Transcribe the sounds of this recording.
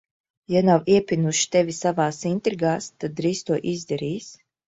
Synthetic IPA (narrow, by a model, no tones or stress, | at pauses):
janawiɛpʲinuʃi̥t̪ɛvʲisavaːsint̪ɾiɡaːst̪ad̪̚ːɾiːst̪uɔʔizd̪ɛɾiːs